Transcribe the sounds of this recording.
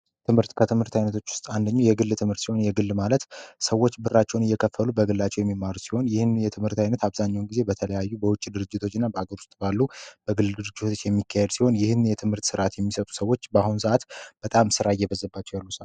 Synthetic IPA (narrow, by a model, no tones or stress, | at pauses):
t̪ʰɨmhɨɾt̪kʰət̪ʰɨmhɨɾt̪ʰajnət̪ʰo̞t͡ʃːwʊ̥st̪ʼand̪əɲːujɛɡɨlːt̪ʰɨmhɨɾt̪siho̞njɛɡɨlːmalət̪səwːo̞t͡ʃːbɨrːat͡ʃːɛwnɨjːɛkʰəfːəlubəɡɨlːat͡ʃːɛwjɛmːimːaɾusi̥ho̞njɪhɨnjɛt̪ʰɨmhɨɾt̪ʰajnət̪aβzaɲːawnɡize̞bət̪ʰələjajːubəwʊt͡ʃʼːid̪ɨɾɨd͡ʒːɪt̪ʰo̞t͡ʃːɪnːabəaɡəɾʊ̥st̪ʼbalːub̥əɡɨld̪ɨɾɨd͡ʒːɪt̪ot͡ʃːjɛmːikʰːahɛd̪siho̞njɪhɨnːɨjɛt̪ʰɨmhɨɾt̪sɨɾʔat̪jɛmːisət̪ʼu̥səwːo̞t͡ʃːbahunsɨʔat̪b̥ət̪ʼamsɨɾaɪjːɛβəzːəbːat͡ʃːɛwjalːusa